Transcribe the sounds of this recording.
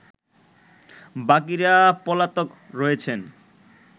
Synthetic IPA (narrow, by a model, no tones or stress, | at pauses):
bak̬iɾapɔlat̪ok | ɾɔjet͡ɕʰen